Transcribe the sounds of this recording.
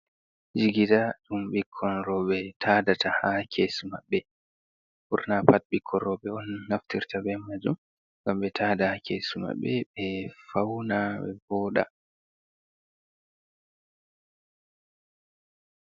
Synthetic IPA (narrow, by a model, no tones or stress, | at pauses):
d͡ʒiɡidaɗumɓikʰːɔnɾɔɓɛtʰaːdatʰahakʰesma̰ɓːɛ | buɾnapat̚ɓikʰːɔnɾɔɓɛɔnːaftiɾtabɛmːad͡ʒum | ŋɡamɓɛtʰaːdahakʰesuma̰ɓːɛɓɛfawnaɓɛ̰bɔːɗa̰